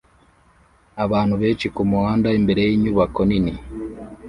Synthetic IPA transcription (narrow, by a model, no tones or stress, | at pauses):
aβaːnhuβeːt͡ʃikumuhaːndaimbeɾejiːɲuβakonini